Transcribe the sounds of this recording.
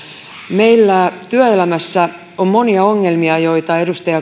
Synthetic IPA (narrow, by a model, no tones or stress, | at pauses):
me̞ilːæt̪yøelæmæsːæ | ommo̞niɑo̞ŋːe̞lmiɑjo̞it̪ɑe̞dust̪ɑjɑ